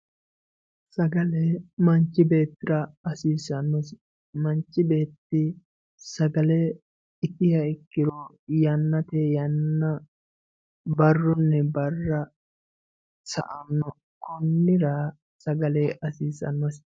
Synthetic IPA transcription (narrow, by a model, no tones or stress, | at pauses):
sɐɡɐleːmɐnt͡ʃːɪbe̞ːt̪ːɪɾɐɐsiːsɐnːɔs | mɐnt͡ʃːɪbe̞ːt̪ːɪ | sɐɡɐle | ɪt̪ɪhɐɪkːɪɾɔ | jɐnːɐt̪ejɐnːɐ | bɐrːʊnːɛbɐrːɐ | sɐ̰ʔɐmnɔ | kɔnːɪɾa | sɐɡɐleːʔɐsiːsɐ̰nːɔs